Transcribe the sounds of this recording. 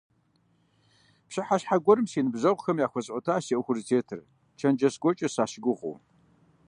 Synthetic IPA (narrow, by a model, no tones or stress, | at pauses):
pɕɪħaɕħaɡʷɔɾɨmsiːnɨbzɐʁʷʊxɐmjaːxʷɔɕʼɔtʰaːseʔxʷʊrztʰeːtʰɨr | t͡ʃʰɐnd͡ʒɐsɡʷɔt͡ʃʼɐsaːʃɪɡʷʊʁʊ̰w